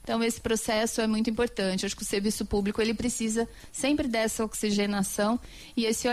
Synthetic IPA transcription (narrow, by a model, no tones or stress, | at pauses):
t̪ɐ̃w̃esɪ̥pɾosɛsʊɛmũj̃t̪ʊuĩpoɾt̪ɐ̃t͡ʃɪaʃʊkɪʊseɾvisʊpublikʊelɪpɾesizɐ | sẽmpɾɪd̪ɛsɐoksiʒenasɐ̃w̃ | ɪesɪɔ